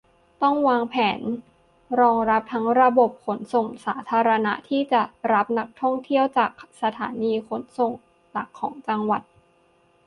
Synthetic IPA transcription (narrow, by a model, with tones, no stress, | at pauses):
t̪ɔ˥˩ŋwaː˧ŋpʰɛː˩˦n | ɾɔː˧ŋɾa˦˥p̚t̪ʰa˦˥ŋɾa˧bo˨˩p̚kʰo˩˦nso˨˩ŋsaː˩˦t̪ʰaː˧ɾa˧na̰˦˥t̪ʰiː˥˩t͡ɕa˨˩ɾa˦˥p̚na˦˥k̚t̪ʰɔ˥˩ŋt̪ʰi˥˩əwt͡ɕaː˨˩k̚sa˧t̪ʰaː˩˦niː˧kʰo˨˩˦nso˨˩ŋ | la˨˩kʰːɔː˩˦ŋt͡ɕa˧ŋwa˨˩t̪̚